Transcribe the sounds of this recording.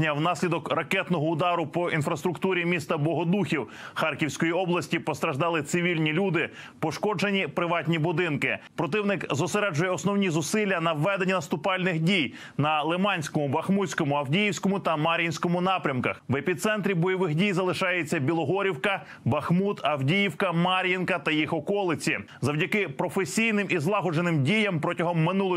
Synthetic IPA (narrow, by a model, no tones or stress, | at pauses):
nʲɐwnɑsʲlʲid̪ɔkrɐkɛt̪nɔɦɔʊd̪ɑɾʊpɔʔinfɾɐst̪ɾʊkt̪uɾʲimʲist̪ɐbɔɦɔd̪uxʲiw | xɑrkʲiwsʲkɔjiɔblˠɐsʲtʲipɔst̪ɾɐʒd̪ɑlˠɪt̪sɪʋʲilʲnʲilʲud̪ɪ | pɔʃkɔd͡ʒenʲipɾɪʋɑtʲnʲibʊd̪ɪnkɪpɾɔt̪ɪwnɪkzɔseɾɛd͡ʒʊjɛɔsnɔwnʲizʊsɪlʲːɐnɐwːɛd̪enʲinɐst̪ʊpɑlʲnɪxdʲij | nɐlˠemɑnʲsʲkɔmʊbɐxmusʲkɔmʊɐwdʲijiwsʲkɔmʊt̪ɐmɑɾʲjinʲsʲkɔmʊnɑpɾʲɐmkɐxʋepʲit̪sɛnt̪ɾʲibɔjɔʋɪxdʲijzɐlˠɪʃɑjet͡sʲːɐbʲilˠɔɦɔɾʲiwkɐ | bɐxmut̪ʰɐwdʲijiwkɐmɑɾʲjɐnkɐt̪ɐjixɔkɔlˠɪt͡sʲi | zɐwdʲɐkɪpɾɔfesʲijnɪmizlˠɑɦɔd͡ʒenɪmdʲijɐmpɾɔtʲɐɦɔmːɪnulˠ